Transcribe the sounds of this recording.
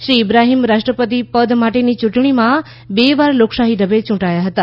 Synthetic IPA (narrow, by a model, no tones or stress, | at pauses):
ʃɾiːbɾaɦimɾaʃʈɾəpət̪̬ipəd̪maʈenit͡ʃʊ̃ʈɳ̃imã | beʋaɾloksaɦidəbet͡ʃʊ̃ʈajaɦət̪a